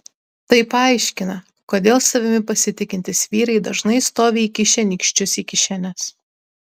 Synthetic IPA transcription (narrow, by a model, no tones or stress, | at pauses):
t̪ɐɪpɐˑɪʃʲkʲɪnɐ | koːd̪ʲeːlˠsɐʋʲɪmʲɪpɐsʲɪt̪ʲɪkʲɪnʲt̪ʲɪsʋʲiːɾɐɪd̪ɐʒnɐɪst̪oːʋʲeiːkʲɪʃʲɛnʲɪkʃʲt͡ʃʲʊsiːkʲɪʃʲɛnʲɛs